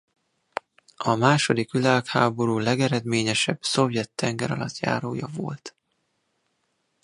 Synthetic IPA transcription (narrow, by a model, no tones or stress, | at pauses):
ɒmaːʃo̞d̪ikʋilaːkhaːbo̞ɾuːlɛɡɛɾɛd̪meːɲɛʃɛb̥so̞vjɛt̪ːɛŋɡɛɾɒlɒt̪ja̰ːɾoːjɒvo̰lt̪